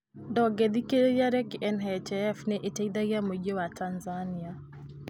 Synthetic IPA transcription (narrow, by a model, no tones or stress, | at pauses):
dɔɡɛðikeɾejaɾɛkɛnɦɛt͡ʃɛɛfnɛʔeteiðaɣjamod͡ʒowatanzania